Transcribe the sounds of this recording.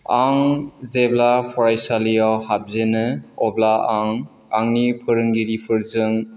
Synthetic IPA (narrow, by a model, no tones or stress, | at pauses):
aŋzeblapʰɔɾajsalijawhap̚zenɯɔblaʔaŋ | aŋnipʰɯɾɯŋɡiɾipʰɯɾzɯŋ